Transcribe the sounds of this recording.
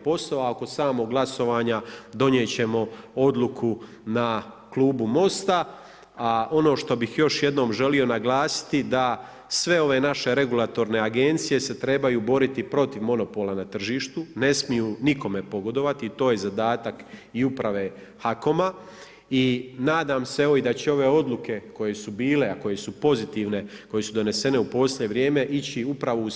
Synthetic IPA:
po̞sloaoko̞saːmo̞ɡlˠaso̞ʋaːɲad̪o̞njet͡ɕe̞mo̞o̞d̪lˠukʰu | na | klˠuːbumo̞st̪a | aʔo̞no̞ːʃt̪o̞bixjo̞ʃje̞d̪no̞ːmʒe̞lio̞naɡlˠaːsi̥t̪id̪a | sʋe̞o̞ʋe̞ːnaʃe̞ɾe̞ɡulˠat̪o̞ɾne̞aɡe̞nt̪sije̞se̞t̪ɾe̞bajuːbo̞ɾit̪ipɾo̞t̪iʋmo̞no̞po̞lˠanat̪r̩ʒiːʃt̪une̞smijuːniko̞me̞po̞ɡo̞d̪o̞ʋat̪iːt̪o̞ːje̞zad̪aːt̪akiupɾaʋe̞ː | hako̞ma | inaːd̪aːmse̞oid̪at͡ɕeo̞ʋe̞ːo̞d̪lˠuke̞ko̞je̞subiːleako̞je̞supo̞zit̪iːʋne̞ko̞je̞sud̪o̞ne̞se̞ne̞upo̞slʎʲje̞ʋɾje̞ːme̞ʔit͡ɕiupɾaʋo̞u

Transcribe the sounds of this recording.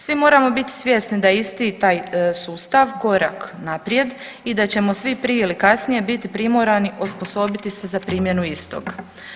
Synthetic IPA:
sʋimo̞ːɾamo̞bit̪i̥sʋʲje̞snid̪aist̪it̪aːjsuːst̪aʋko̞ɾaknapɾje̞d̪ | id̪at͡ɕe̞mo̞sʋipɾieilikasnije̞bit̪ipɾimoɾaniʔospo̞so̞bit̪ise̞zapɾiːmje̞nuist̪o̞̰ɡ

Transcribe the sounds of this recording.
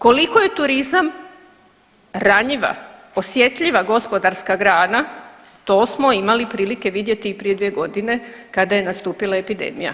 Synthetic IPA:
ko̞likoje̞t̪uɾizam | ɾaɲiʋa̰ | o̞sje̞t̪ʎiʋaɡo̞spo̞d̪aɾskaɡɾaːna | t̪o̞ːsmo̞imalipɾiːlike̞ʋid̪je̞t̪iːpɾijed̪ʋije̞ɡo̞d̪ine̞kad̪aje̞nast̪uːpilˠae̞pid̪ḛːmḭja̰

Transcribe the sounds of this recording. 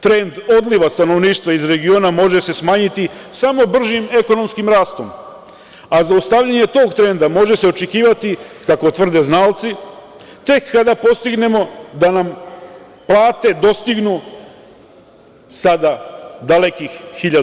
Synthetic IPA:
t̪ɾe̞nd̪o̞d̪liʋast̪ano̞ʋniːʃt̪ʋaizɾe̞ɡio̞ːnamo̞ʒe̞se̞smaːɲit̪isamo̞br̩ʒime̞ko̞no̞mskimɾaːst̪o̞m | azaust̪aʋʎaɲe̞t̪o̞ɡt̪ɾe̞nd̪amo̞ʒe̞seo̞t͡ʃekiːʋat̪ikako̞t̪ʋr̩d̪e̞znaːlt̪si | t̪e̞kːad̪apo̞st̪iɡne̞mo̞d̪anam | plˠaːt̪e̞d̪o̞st̪iɡnu | sad̪ad̪ale̞kixːiʎa

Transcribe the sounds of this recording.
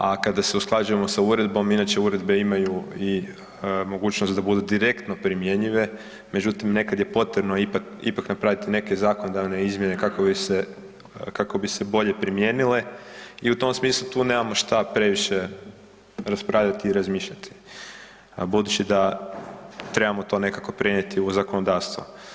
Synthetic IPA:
akad̪ase̞usklˠad͡ʒuje̞mo̞sauɾe̞d̪bo̞minaːt͡ɕe̞uɾe̞d̪be̞imajui | mo̞ɡuːt͡ɕnost̪d̪abud̪ud̪iɾe̞kt̪no̞pɾimje̞ɲiʋe̞ | me̞d͡ʑut̪imne̞kad̪je̞po̞t̪ɾebno̞ipakḭpaknapɾaʋit̪ine̞ke̞zaːko̞nod̪aʋne̞izmje̞ne̞kako̞bise | kako̞bise̞bo̞ʎe̞pɾimje̞ːnile̞iut̪o̞msmiːslˠut̪uːne̞ːmamo̞ʃt̪apɾe̞ʋiʃe | ɾaspɾaːʋʎat̪iːɾazmiːʃʎat̪ʰi̥ | bud̪ut͡ɕid̪a | t̪ɾe̞bamo̞t̪o̞ne̞kako̞pɾenɲet̪ʰiuzakono̞d̪aːɾst̪ʋo̰

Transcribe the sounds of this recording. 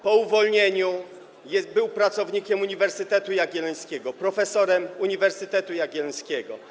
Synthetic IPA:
pɔuvɔlɲeɲu | jɛbɘwpɾat̪sɔvɲikʲɛmuɲivɛɾsɘt̪ɛt̪ujaɡʲɛlɛj̃skʲɛɡɔpɾɔfɛsɔɾɛmuɲivɛɾsɘt̪ɛt̪ujaɡʲɛlskʲɛɡɔ

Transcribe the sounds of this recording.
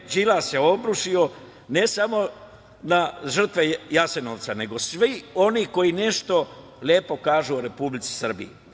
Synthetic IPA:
d͡ʒilaseo̞bɾuʃio̞ | ne̞samo̞ | naʒr̩t̪ʋejase̞noʋt̪sane̞ɡo̞sʋio̞niːko̞jine̞ʃt̪o̞ | lʲjeːpo̞kaːʒuoɾe̞publit̪si̥sr̩bḭi

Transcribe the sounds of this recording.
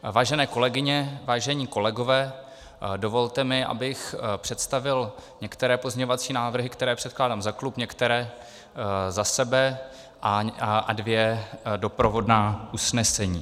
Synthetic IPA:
vaːʒɛnɛːko̞lɛɡɪɲɛvaːʒɛɲiːko̞lɛɡo̞vɛː | dovo̞lt̪ɛmɪʔa̰bɪxpr̥ɛt̪st̪avɪlɲɛkt̪ɛɾɛːpozɲɛɲovat͡siːnaːvr̩ɦɪkt̪ɛɾɛːpr̝̥ɛt̪̚klaːdaːmzaklupɲɛkt̪ɛɾɛː | zasɛbɛ | ʔaʔadvjɛdo̞pɾovo̞dnaːʔusnɛsɛɲiː

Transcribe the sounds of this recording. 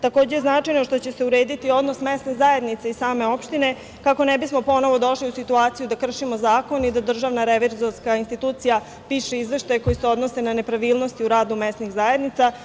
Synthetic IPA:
t̪ako̞ːd͡ʑe̞jeznat͡ʂajnoʃt̪o̞t͡ɕese̞uɾeːd̪it̪io̞d̪no̞smest̪nezaje̞d̪nit̪saisaːme̞o̞pʃt̪ine̞ | kako̞nɛbismo̞po̞no̞ʋo̞d̪o̞ʃliusit̪uaːt̪sijud̪akr̩ʃimo̞zaːko̞nid̪ad̪r̩ʒaʋnaɾeʋiɾzoɾskainst̪it̪uːt̪sija | piːʃeizʋe̞ʃt̪ajeko̞jiseo̞d̪no̞se̞nane̞pɾaʋiːlˠno̞st̪iuɾaːd̪umest̪nixzaje̞d̪nit̪sa

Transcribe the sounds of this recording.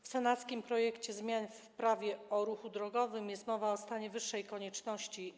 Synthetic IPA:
fsɛnat̪skʲimpɾɔjɛkt͡ɕɛzmʲjanf | pɾavʲjɛɔɾuxud̪ɾɔɡɔvɘmjɛst̪mɔvaɔst̪aɲɛvɘʂːɛjkɔɲɛt͡ʂnɔɕt͡ɕi

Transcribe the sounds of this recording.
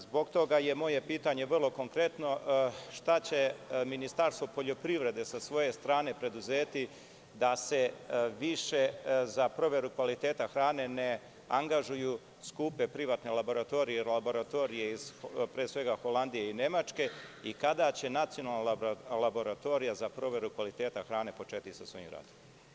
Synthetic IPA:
zbo̞ɡt̪o̞ɡaje̞mo̞je̞piːt̪aɲe̞ʋər̩lˠo̞ko̞ŋkɾe̞t̪no̞ʃt̪at͡ɕe̞minist̪aɾst̪ʋo̞po̞ʎo̞pɾiʋɾe̞d̪e̞sasʋo̞je̞st̪ɾaːne̞pɾe̞d̪uzeːt̪i | d̪ase̞ʋiʃe̞zapɾo̞ʋe̞ɾukʋalit̪e̞ːt̪axɾaːne̞ne̞ | aŋɡaʒuju | skuːpe̞pɾiʋat̪ne̞lˠabo̞ɾat̪o̞ɾijeɾlabo̞ɾat̪o̞ɾije̞iz̥pɾeːsʋe̞ɡaxo̞land̪ije̞ine̞mat͡ʃke̞ikad̪at͡ɕe̞nat̪sionalˠnalabo̞ɾat̪o̞ɾijazapɾo̞ʋe̞ɾukʋalit̪e̞ːt̪axɾaːne̞po̞t͡ʃe̞ːt̪isasʋo̞̰jḭmɾa̰d̪o

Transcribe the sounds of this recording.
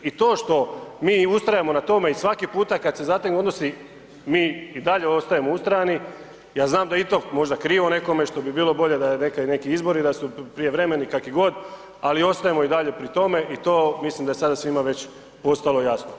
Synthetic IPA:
it̪o̞ːʃt̪o̞miːust̪ɾajemo̞nat̪o̞me̞isʋakipuːt̪akad̪se̞zat̪ekno̞d̪no̞si | miːid̪aʎe̞o̞st̪ajemoust̪ɾajani | jaːznaːmd̪ait̪o̞mo̞ʒd̪akɾiːʋone̞ko̞me̞ʃt̪o̞bibiːlo̞bo̞ʎe̞d̪ajenekane̞kiizbo̞ɾid̪asupɾije̞ʋɾe̞me̞nikakiɡo̞d̪ | alio̞st̪ajemo̞id̪aʎe̞pɾit̪o̞me̞ʔit̪oːmislimd̪ajesad̪asʋimaʋe̞t͡ɕ | po̞st̪alˠo̞jasno

